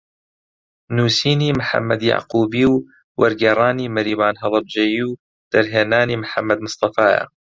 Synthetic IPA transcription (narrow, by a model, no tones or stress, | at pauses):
nuːsiːniːmħa̰mːad̪ja̰ʕquːbiːw | wɐɾɡeɾˤaːniːmɐɾiːbaːnɦɑðˤɑb̚d͡ʒejiw | d̪̥ɐɾɦeːnaːniːmħamːɐd̪mɨsˤt̪ˤɑfaːja̰ː